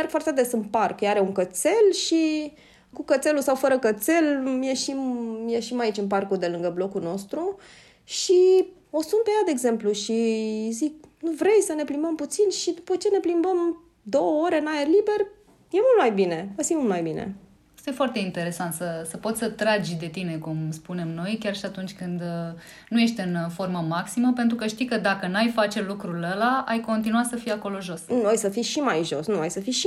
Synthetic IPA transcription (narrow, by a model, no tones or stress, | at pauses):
merɡ̥̚foart̪ed̪e̞sɨnparkjaɾe̞uŋkət̪se̞lʃi | kukət̪se̞lusawfəɾəkət̪se̞lmjeʃimːjeʃimait͡ʃɨnp̬arkud̪e̞lɨŋɡəblo̞kuno̞st̪ɾu | ʃi | o̞sunpe̞jad̪e̞eːɡze̞mpluʃizik̚nuvɾe̞jsəne̞plimbəmput̪sinʃid̪upət͡ʃe̞ne̞plimbəm | d̪o̞wəoɾeɨnaerlibe̞r | je̞mult̪majbine̞vəsimult̪majbinḛ | ast̪aje̞foart̪e̞int̪e̞ɾe̞sant̪səsəpo̞t̪sʲsət̪ɾad͡ʒʲd̪e̞t̪ine̞kumspune̞mno̞jkʲarʃiat̪unt͡ʃʲkɨnd̪ | nuje̞ʃt̪ɨnfo̞rməmaksiməpent̪̬ɾukəʃt̪ikəd̪akənajfat͡ʃe̞lukɾuləlaajko̞nt̪̬inuat̪səfijako̞lo̞ʒo̞snuajsəfiʃimajʒo̞̰snuajsəfiʃi